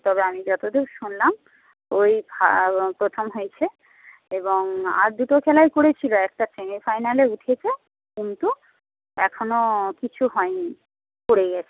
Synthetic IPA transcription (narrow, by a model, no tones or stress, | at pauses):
t̪ɔbeamid͡ʑɔt̪od̪ewʃunlam | ojba̰pɾot̪ʰomɦojt͡ɕʰe | eboŋa̰ɾd̪uʈokʰɛlaekoɽet͡ɕʰiloɛk̚ʈasemifajnaleuʈʰet͡ɕʰe | kunt̪u | ɛ̰kʰonokit͡ɕʰuɦɔeni | poɽeɡɛt͡ɕʰe̥